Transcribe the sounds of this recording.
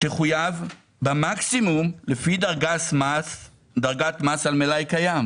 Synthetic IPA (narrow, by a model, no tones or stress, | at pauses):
teχujav | bamaksimumlefidaʁɡamas | d̪aʁɡatmasalmelajkajam